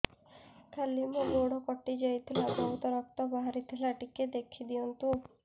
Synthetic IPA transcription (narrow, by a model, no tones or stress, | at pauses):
kʰalimuɡoɽɔkɔʈid͡ʒajt̪ʰilabɔɦut̪ɔɾɔkt̪ɔbaɦaɾit̪ʰilaʈiked̪ekʰid̪iɔnt̪u